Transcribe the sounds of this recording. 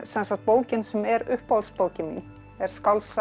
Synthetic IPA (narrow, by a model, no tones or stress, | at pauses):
sɛnsaht̪̚poːwcɪnsɛmɛɾʏhpalspoːwcɪm | ɛɾ̥skawls